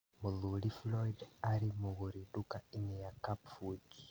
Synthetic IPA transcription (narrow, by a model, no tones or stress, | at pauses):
muðuliflɔidaɾimuɣuɾidukaiɲijakapfud͡ʒi̥